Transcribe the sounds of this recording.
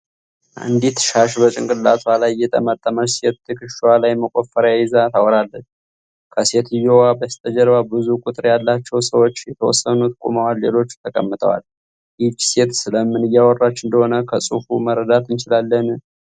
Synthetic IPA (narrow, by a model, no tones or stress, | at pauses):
ʔɨ̰nd̪it̪ʃaʃbət͡ʃʼɪŋkʼɨlːat̪ʰwalajːɛt̪ʼə̰mət̪ʼːəməset̪ːɨkɨʃwalajməkʼofːəɾjajɛzat̪ʰawɾalːət͡ʃː | kʰəse̞t̪ɨjowabəst̪ʰʼəd͡ʒəɾβabɨzukʼut̪ʼɨɾjalːat͡ʃːɛwsəwo̞t͡ʃːjɛt̪ʰəwɔ̰sːənut̪ʰkʼṵməwalːelo̞t͡ʃːt̪ʰəkʼə̰mːɨt̪ʼə̰wa̰l | jid͡ʒse̞t̪sɨləmːɨnɨjːawɔrːat͡ʃːɨnd̪əho̞nəkʰəsʼufuməɾəd̪at̪ɨnt͡ʃɪlalːən